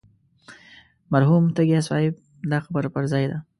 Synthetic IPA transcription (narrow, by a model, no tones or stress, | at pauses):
maɾɦumt̪əɡias̬wɑ̰jɪb̚ | d̪ɑxabəɾapəɾzɑjd̪a